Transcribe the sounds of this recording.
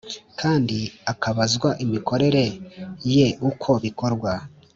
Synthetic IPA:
kʰaːndiakaβazɡwaʔimikʰo̞ɾe̞ɾe̞je̞ʔukʰo̞βiko̞ɾɡwa

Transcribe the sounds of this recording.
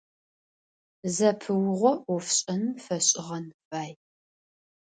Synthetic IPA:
zɐpʰɨwʊʁʷɔɔfɕʼɐnfɐɕʼɪʁɐnfaːj

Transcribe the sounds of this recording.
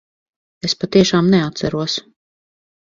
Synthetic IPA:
espat̪iɛʃaːmnɛat̪sæɾuɔs

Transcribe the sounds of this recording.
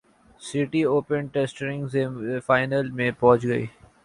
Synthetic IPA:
sɪʈioːpənʈesʈəɾɪ̃ŋɡzeːfaːɪnəlmẽpɔɦt͡ʃɡɐḭː

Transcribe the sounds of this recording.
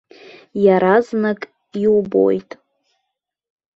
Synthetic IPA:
jaɾaznakʼ | iwubo̰jtʼ

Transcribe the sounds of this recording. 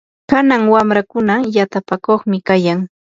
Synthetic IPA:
kanaŋwamɾakʊnajat̪apakoχmɪkajaŋ

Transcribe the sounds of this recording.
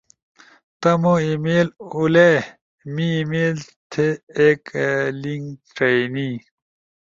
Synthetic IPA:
t̪ɐmoimeːlule | miːmeːlt̪ʰeeːkliŋɡʈɐni

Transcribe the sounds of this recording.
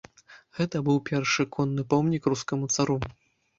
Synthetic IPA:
ɣɛt̪ɐbɨwpʲɛrʂɨkʰɔnːɨpɔmnʲikruskɐmut̪saɾu

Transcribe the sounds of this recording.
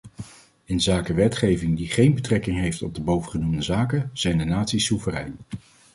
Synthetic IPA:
ɪnzaːkəʋɛtχejvɪŋdiχejnbətrɛkɪŋɦejftɔb̚dəbowvəχənumdəzaːkəz̥ɛjndənaːtsisuvərɛ̰jn

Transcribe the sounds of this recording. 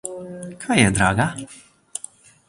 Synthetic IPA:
kʰajɛd̪ɾa̰ːɡa

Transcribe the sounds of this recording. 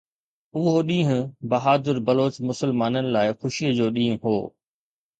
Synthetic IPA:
ʊɦoɗĩːɦʊ̃bɐɦaːd̪ɪɾbɐloːt͡ɕmʊsəlmaːnənɪ̆laːɪxʊʃiəd͡ʑoːɗĩːɦʊ̃ɦoː

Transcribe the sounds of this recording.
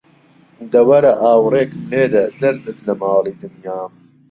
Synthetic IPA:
d̪ɐwɐɾɐʔaːwreːkmleːd̪ɐd̪ɐɾd̪ɨt̪lɐmɑːlˠiːd̪ɨnjaːm

